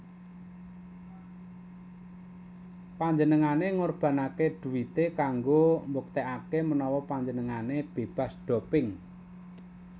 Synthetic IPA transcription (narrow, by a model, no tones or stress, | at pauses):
paɲd͡ʒənəŋaneŋorb̥ä̤nakeɖ̥ṳwit̪ekaŋɡombok̚t̪eʔakemənɔwɔpaɲd͡ʒənəŋaneb̥e̤b̥a̤sɖ̥ɔ̤pɪŋ